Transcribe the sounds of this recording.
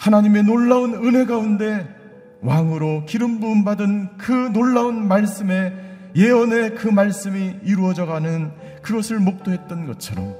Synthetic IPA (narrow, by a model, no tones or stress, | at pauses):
hanaɲime̞noɭːaunɯnɦe̞ɡaunde̞ | waŋɯɾokiɾɯmbuːnbadɯnkɯnoɭːaunmaɭs͈ɯme̞ | je̞ʌne̞kɯmaɭs͈ɯmiiɾuʌd͡ʑʌɡanɯn | kɯɡʌsʰɯɭmok̚t͈oɦe̞t̚t͈ʌnɡʌt͡ɕʰʌɾʌm